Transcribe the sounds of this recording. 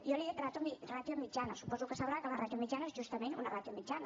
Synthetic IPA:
joliet̪ɾat̪umirat̪jomit͡ʃanəsu̥pɔzukəsəβɾakəlarat̪juamit͡ʃanaezʒust̪əmenunarat̪jomit͡ʃanɐ

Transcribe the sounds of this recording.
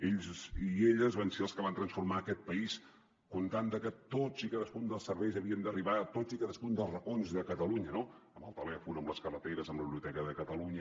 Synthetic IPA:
eʎzieʎəzβanseəlˠskəβant̪ɾənsfuɾmaəkɛt̪̚pəis | kunt̪and̪əkət̪od͡zikaðəskund̪əlˠsərβɛjzəβiənd̪əriβat̪od͡zikaðəskund̪əlˠzrəkonzðəkət̪əluɲənoəməlˠt̪əlɛfunəmbləskərət̪eɾəzəmbləβiliut̪ɛkəðəkət̪əluɲə

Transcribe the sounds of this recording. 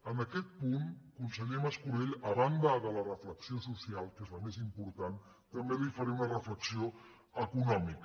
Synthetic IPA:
ənəkɛt̪̚punkunsəɣɛməskuɾeʎəβand̪əðələrəfləksiosusialˠkezləmezimpuɾt̪an | t̪əmbelifəɾemunərəfləksio | əkunɔmik

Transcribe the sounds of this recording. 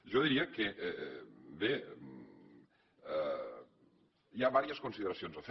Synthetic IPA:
ʒɔðiɾiəkeʔ | be | iaβaɾiəskunsiðəɾəsionzəf

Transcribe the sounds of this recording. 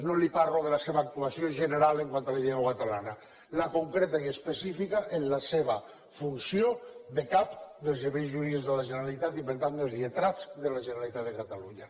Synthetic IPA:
nõlipaɾoðelaseβaːk̚t̪uasjoʒeneɾaleŋkwant̪aleʎeanoβat̪alana | lakoŋkɾet̪aiespesifikaʔenlaseβ̞a | funsjod̪ekapd̪elzeβejzʒuɾizðelaʒeneɾalit̪at̪ipeɾt̪and̪elˠzet̪ɾat͡sðelaʒeneɾalit̪at̪ðekat̪aluɲa

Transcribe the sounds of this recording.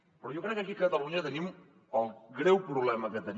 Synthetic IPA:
poɾjokɾekak̬iket̪alɣuɲet̪enĩm | alɡɾewpɾuβlemaket̪en

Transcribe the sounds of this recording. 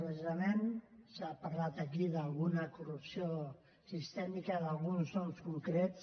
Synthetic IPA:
pɾezizamensapaɾlat̪əkiðəlˠɣunəkurupsio | sist̪ɛmikəðalˠɣunznɔmskuŋkɾets

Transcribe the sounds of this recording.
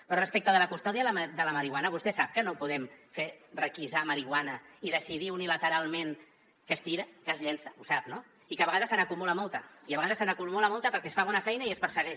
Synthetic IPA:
pɾɔrəspɛk̚t̪əðələkust̪ɔðiəd̪ələməɾiɣwanəβ̞ust̪ɛsap̚kənopuðɛmferəkizaməɾiɣwanəiðəsiðiunilət̪əɾalˠmen | kəst̪iɾəkəzʎensəusap̚no | ikəβəɣaðəsənəkumuləmolˠt̪əiəβəɣaðəsənəkumuləmolˠt̪əpəɾkɛsfaβɔnəfɛjnəiəspəɾsəɣɛʃ

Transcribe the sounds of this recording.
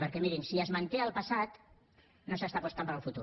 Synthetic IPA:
pəɾkɛmiɾimsiəzmənt̪eəlˠpəsat̪ | nosəst̪apust̪ampəɾəlˠfut̪ṵ

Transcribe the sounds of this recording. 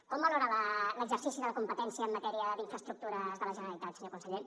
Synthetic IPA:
kɔmbəloɾələləɡzəɾsisiðələkumpət̪ɛnsiəːmːət̪ɛɾiəd̪iɱfɾəst̪ɾuk̚t̪uɾəzðələʒənəɾəlit̪at̪səɲokunsəʎe

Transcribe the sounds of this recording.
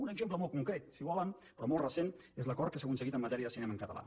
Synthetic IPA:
unəɡzempləmɔlˠkuŋkɾet̪siβɔlənpɾɔmɔlˠrəsenezləkɔɾkəs̬akunsəɣit̪əmːət̪ɛɾiəðəsinɛməŋkət̪ə̰la̰

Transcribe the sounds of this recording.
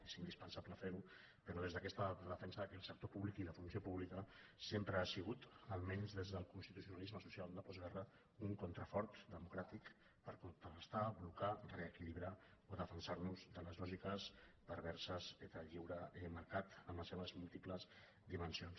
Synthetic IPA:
esind̪ispənsapləfeɾu | pəɾɔðezðəkɛst̪ələfɛnsəðəkɛəlˠsək̚t̪opuβlikiləfunsiopuβlikəsempɾəasiɣ̞ut̪əlˠmɛnzðezðəlˠkunst̪it̪usiunalizməsusialˠd̪əpɔzɣɛrə | uŋkunt̪ɾəfɔɾt̪d̪əmukɾat̪ik | pəɾkunt̪ɾərəst̪ablukarəːkiliβɾaoðəfənsaɾnuzd̪ələzlɔʒikəspəɾβɛɾsəset̪əʎiwɾəɛməɾkat̪əmləseβəzmulˠt̪ipləz | d̪imənsions

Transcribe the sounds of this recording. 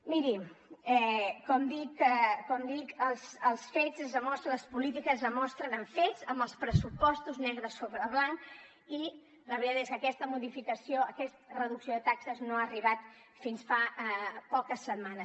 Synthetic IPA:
miɾiɛkɔmd̪ikkɔmd̪ikəlˠsəlˠsfezəzðəmɔst̪ɾələspulit̪ikəzðəmɔst̪ɾənəɱfezəmbəlˠspɾəsupɔst̪uznɛɣɾəsoβɾəβlan | i | ləβɾit̪at̪eskəkɛst̪əmuðifikəsioəkɛst̪ərəðuksioðət̪aksəznoaːriβat̪ | finsfapɔkəsːət̪manəs

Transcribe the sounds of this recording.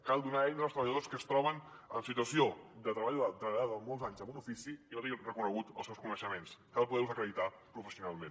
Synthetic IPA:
kalˠd̪unaɛjəlˠst̪ɾəβəʎəðoskəːst̪ɾɔβ̞ən | ənsit̪uəsiod̪ət̪ɾəβaʎuat̪ɾəβaðəmolˠzaɲzəmbunufisiit̪irəkunəɣut̪ə̰lˠsɛwskunəʃəmenskalˠp̬uðɛlzəkɾəðit̪a | pɾufəsiunalˠmen

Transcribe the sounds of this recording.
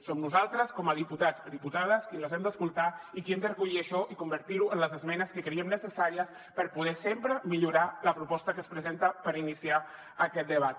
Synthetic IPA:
somnuzalˠt̪ɾəskɔməð̞iput̪ad͡zd̪iput̪að̞əskiləzɛmd̪əskulˠt̪aikiɛmd̪ərkuʎiəʃɔʔikumbəɾt̪iɾuənləzəzmɛnəskəkeɾiəmnəsəsaɾiəs | pəɾpuð̞ɛsempɾəmiʎuɾaləpɾupɔst̪əkəspɾəzent̪əpəɾinisia | əkɛt̪̚d̪əβat̪̚

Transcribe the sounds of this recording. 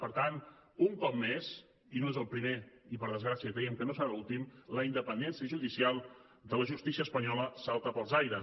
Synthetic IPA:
pəɾt̪anuŋkɔp̚mːez | inoezəlˠpɾimeipəɾð̞əzɣɾasiəkɾɛjəmkənosəɾaulˠt̪imləind̪əpənd̪ɛnsiəʒuðisialˠ | d̪ələʒust̪isiəspəɲɔləsalˠt̪əpəlˠzajɾə

